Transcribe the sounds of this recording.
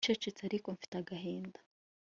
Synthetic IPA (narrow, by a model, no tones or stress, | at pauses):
t͡ʃet͡ʃet͡saɾikoɱfi̥taɡaɦeːndḁ